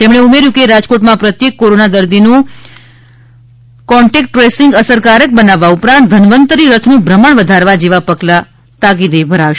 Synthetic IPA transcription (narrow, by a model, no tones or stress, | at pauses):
t̪emɳ̃eumeɾjukeɾad͡ʒkoʈmãpɾət̪jekːoɾonad̪əɾd̪inũ | kɔɳʈekʈːɾesɪŋɡəsəɾkaɾək̚bənaʋːaupɾãnt̪̚d̪ʱənʋənt̪əɾiɾət̪ʰnũbʱɾəməɳʋəd̪ʱaɾʋad͡ʒeʋapəɡla | t̪aɡid̪ejbʱəɾaʋʃ